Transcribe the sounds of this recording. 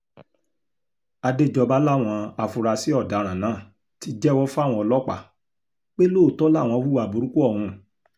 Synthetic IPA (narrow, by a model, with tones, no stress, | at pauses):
a˧de˦˨d͡ʒɔ˧ba˦la˦˨w̃ɔ̃˧a˧fu˧ɾa˧si˨˦ɔ˦˨da˨˦ɾ̃ã˨nãː˨˦˨ | ti˨˦d͡ʒɛ˦wɔ˦fa˦˨w̃ɔ̃˧ɔ˧lɔ˦k͡pa̰˦˨ | k͡pe˦lo˦˨tɔ˦la˦˨w̃ɔ̃˧wu˦wa˧˨bo˨ɾũ˦ku˦ɔ˦˨ɾũ˧